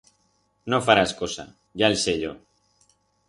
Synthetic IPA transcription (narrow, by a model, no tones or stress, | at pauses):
nofaɾaskosa̰ | ʝaelseʎo